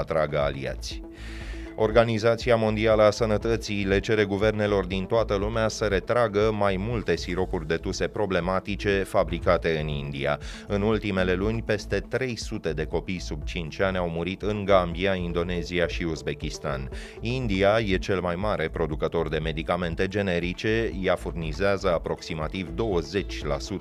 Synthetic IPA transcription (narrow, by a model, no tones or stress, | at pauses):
at̪ɾaɡəa̰lḭa̰t̪sʲ | o̞rɡanizat̪siamo̞nd̪ialəasənət̪ət̪sile̞t͡ʃe̞ɾe̞ɡuve̞rne̞lo̞rd̪int̪oat̪əlumeasəɾe̞t̪ɾaɡəmajmult̪e̞siɾo̞kurʲd̪e̞t̪use̞pɾo̞ble̞mat̪it͡ʃe̞fabɾikat̪e̞ɨnind̪ia̰ɨnult̪ime̞le̞lunʲpe̞st̪e̞t̪ɾe̞jsut̪e̞d̪e̞ko̞pijsub̚t͡ʃint͡ʃʲanʲawmuɾit̪ɨŋɡambiaind̪o̞ne̞ziaʃiuzbe̞kʲist̪an | ind̪iaje̞t͡ʃe̞lmajmaɾe̞pɾo̞d̪ukət̪o̞rd̪e̞me̞d̪ikame̞nt̪e̞d͡ʒe̞ne̞ɾit͡ʃejafurnizeazəapɾo̞ksimat̪ivd̪o̞wəze̞t͡ʃʲla̰sut̪